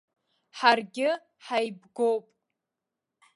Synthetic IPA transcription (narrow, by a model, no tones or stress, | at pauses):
ħarɡʲɪ | ħajbɡowpʼ